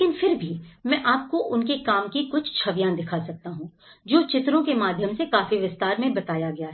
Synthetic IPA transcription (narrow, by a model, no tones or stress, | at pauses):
ekɪnfɪɾbʱimɛ̃ʔaːp̚koʔʊnkekaːmkikʊt͡ʃʰt͡ʃʰɐʋjãːd̪ɪkʰasɐk̚t̪aɦũː | d͡ʒoːt͡ʃɪt̪ɾõkemaːd̪ʱjəmsekaːfiʋɪst̪aːɾmẽbɐt̪aːjaɡɐjaɦɛ